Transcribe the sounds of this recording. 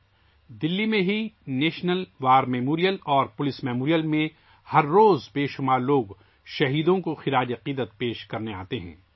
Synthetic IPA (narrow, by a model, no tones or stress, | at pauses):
d̪ɪlːimẽɦineːʃnəlʋaːɾmɛːmoːɾijəlɔːɾpʊlɪsmɛːmoːɾijəlmẽ | hɐɾːoːzbeːʃʊmaːɾloːɡ | ʃɐɦiːd̪õkoxɪɾaːd͡ʒɐqiːd̪ət̪̚peːʃkɐɾnea̰ːt̪eɦɛ̰̃ː